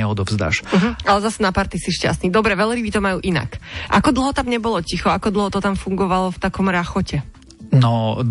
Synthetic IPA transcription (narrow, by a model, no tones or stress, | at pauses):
ɛɔd̪ɔvzd̪a̰ːʃm̩ɦ̩alɛzasɛnapaɾt̪isiʃca̰st̪nid̪ɔbɾɛʋɛlɾibit̪ɔmajuːʔina̰kʔa̰kɔd̪l̩ˠɦɔt̪amɲɛbɔlɔcixɔakɔd̪l̩ˠɦɔt̪ɔt̪amfuŋɡɔʋalɔft̪akɔmɾaxɔcɛ | nɔ